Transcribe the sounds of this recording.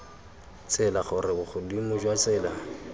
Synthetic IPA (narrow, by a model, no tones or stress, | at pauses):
t͡sʼɪlaχʊrɪbʊχʰʊdimʊd͡ʒwat͡sʼɪːla